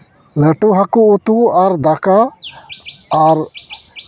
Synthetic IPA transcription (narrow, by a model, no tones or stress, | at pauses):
ləʈuɦakuut̪uaɾd̪aka | ɾ